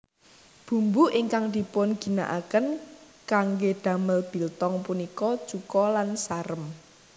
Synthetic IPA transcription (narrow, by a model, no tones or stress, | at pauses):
b̥ṳmbuʔiŋkaŋd̪̥i̤pʊnɡ̥i̤na̰ʔakən | kaŋɡed̪̥a̤məlb̥i̤lt̪ɔŋpunikɔ̥t͡ʃukɔlansaɾəm